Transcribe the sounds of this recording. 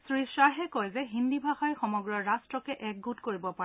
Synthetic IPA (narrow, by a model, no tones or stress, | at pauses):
sɹisaɦɛkɔjzɛɦindibʱaxɔjxɔmɔɡɹɔɹastɹɔkɛʔɛk̚ɡutkoɹibɔpaɛ